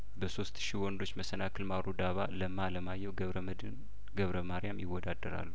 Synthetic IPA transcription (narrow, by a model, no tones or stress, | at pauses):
bəso̞st̪ʃiwɔnd̪o̞t͡ʃːməsənakʰɨlmaɾud̪aβaləmːaləmajːɛwɡβ | d̪ɨn | ɡəβɾəmaɾijamjɪwːɔd̪ad̪ːəɾa̰lːu